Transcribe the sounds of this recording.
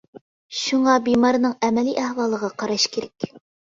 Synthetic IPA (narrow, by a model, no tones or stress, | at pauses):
ʃuɴɑbimɑɾnɤŋæmɛliʔæhwɑlˠə̆ʁɑqɑɾɑʃkʰʲeɾɛk